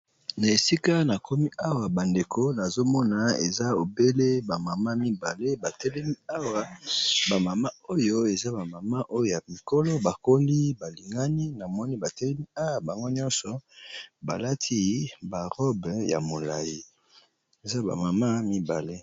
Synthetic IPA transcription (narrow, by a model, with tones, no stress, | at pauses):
na˨e˨si˦ka˦na˨ko˦mi˦ʔa˦wa˨ba˨nde˨kʰo˦na˨zo˦mɔ˦na˨ḛ˨za˦o˨be˦le˦ba˨ma˨ma˦mi˦ba˨le˦ba˨tɛ˦lɛ˦mi˦a˦wa˦ba˨ma˨ma˦o˦jo˦e˨za˦ba˨ma˨ma˦ʔo˦jo˦˨ja˨mi˨ko˦lɔ˦ba˨ko˦li˦ba˨li˨ŋɡa˦ni˦na˨mɔ˦ni˦ba˨tɛ˦lɛ˦mi˦a˦wa˨ba˨ŋɡo˦ɲɔ̃˦nsɔ˨ba˨la˦tʰi˦ba˨ʁɔ˦bja̰˨mo˨la˨ji˦ | e˨za˦ba̰˨ma˨ma˦mi˦ba˨le˦